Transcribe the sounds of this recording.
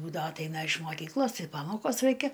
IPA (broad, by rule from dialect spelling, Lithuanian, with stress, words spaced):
ˈbuːdɐʋoː ɐtˈɐɪnɐ ɪʃ moːˈkʲiːklˠoːs ˈtɐɪ ˈpɑːmoːkoːs ˈrɐɪkʲɛ